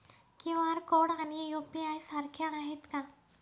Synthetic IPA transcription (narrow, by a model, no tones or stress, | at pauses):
kiʋaɾkoɽanijopiajsaɾkʰjaːɦet̪kã